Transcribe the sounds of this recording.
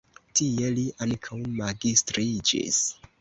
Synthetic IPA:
tie̞liʔaŋkʰawmaɡistɾid͡ʒḭs

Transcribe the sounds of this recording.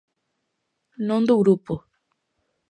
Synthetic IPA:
nõnd̪oɣɾupo

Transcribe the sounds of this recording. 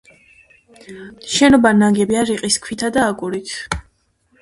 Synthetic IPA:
ʃɛnɔbanaɡɛbiaɾiqʼiskʰwit̪ʰad̪aːɡʼuɾit̪ʰ

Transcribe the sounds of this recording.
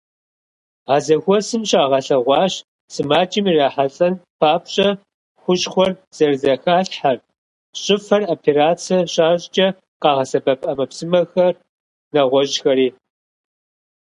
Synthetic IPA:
aːzɐxʷɔsɨmɕʼaːʁɐɬɐʁʷɑːɕ | sɨmaːt͡ʃʼɪmiːraːħaɬʼɐnpʰaːpʰɕʼɐ | xʷʊɕʼxʷɔrz̥ɐrzɐxaːɬħar | ɕʼɪfɐropʰeɾaːt͡sʰɐɕʼaːʑt͡ʃʼɐ | qɑːʁɐsɐbɐpʼɐmɐpsɨmɐxɐr | nɐʁʷɔʑxɐɾiː

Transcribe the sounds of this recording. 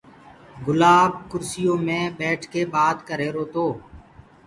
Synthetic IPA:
ɡʊlaːb̚kʊɾsɪjõːmẽːbɛːʈʰkeːbaːt̪kəɾeːɾoːt̪oː

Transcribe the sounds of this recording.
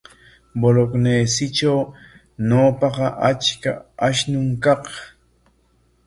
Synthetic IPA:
bolokneːsɪʈ͡ʂaw | noːpɑqɑʔat͡ʃkaaʃnʊŋkɑq

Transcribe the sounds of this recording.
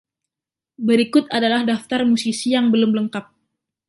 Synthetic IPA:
bəɾikʊt̪adalahdaft̪armusisijaŋbəlʊmləŋkap̚

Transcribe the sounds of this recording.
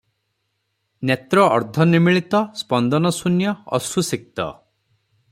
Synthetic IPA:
njet̪ɾɔɔɾd̪ʱɔnimiɭit̪ɔspɔnd̪ɔnɔsunjɔɔ̰susik̚t̪ɔ̰

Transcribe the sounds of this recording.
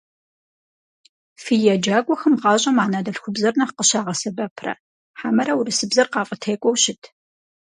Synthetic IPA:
fijɐd͡ʒaːkʷʼɔxɐmʁɑːɕʼɐmaːnaːdɐɬxʷʊbzɐrnɐχqəɕaːʁɐsɐbɐpʰrɐ̰ | ħaːmɐɾɐwurɨsɨbzɐrqɑːfʼɐtʰeːkʷʼɔwɕɪtʰ

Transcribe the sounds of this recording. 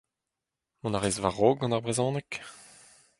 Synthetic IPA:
mɔ̃naʁezvaʁoːɡɑ̃naʁbʁezɑ̃ːnɛk

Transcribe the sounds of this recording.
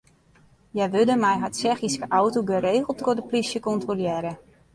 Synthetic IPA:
jɛjʋødəmɛjɦatsɛχiskəʔawtoɡəɾeːɣəlˠtɡodəplisjəkɔntroljɛːɾə

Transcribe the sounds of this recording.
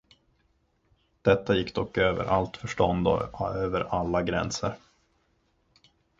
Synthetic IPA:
d̪̥ɛt̪ːajɪkːd̪ɔkːøːvə̰ɾʔalt̪fœʂʈɔnd̪ɔ̰øːvəɾalːaɡɾɛ̰nsəɾ

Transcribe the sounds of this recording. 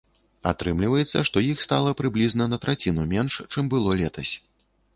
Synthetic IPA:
at̪ɾɨmlʲivɐjɛt̪sːɐʂt̪ɔjixst̪alˠɐpɾɨblʲiznɐnɐt̪ɾat͡sʲinumʲɛnʂt͡ʂɨmbɨlˠɔlʲɛt̪ɐsʲ

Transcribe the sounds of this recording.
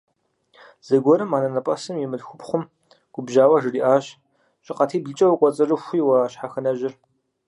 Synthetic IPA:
z̥ɐɡʷɔɾɨmaːnɐnɐpʼɐsɨmjɛmɨdxʷʊpχʷʊm | ɡ̥ʷʊbʒaːwɐʒɨriːʔaːɕ | ɕʼɪqɐtʰiːbɨt͡ʃʼɐwqʷʼɔt͡sʼɐrɨxʷiːwɐːɕħaxɐnɐʒɪr

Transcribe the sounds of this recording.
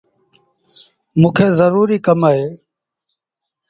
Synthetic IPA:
mũːkʰeːzəɾuːɾiːkəmaːɦeː

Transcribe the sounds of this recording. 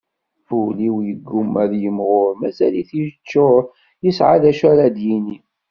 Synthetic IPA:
fuliwjəɡːumæðjəmʁʊɾmæzæliθiʒt͡ʃːʊɾ | jəsʕaðæʃæɾad̪jini

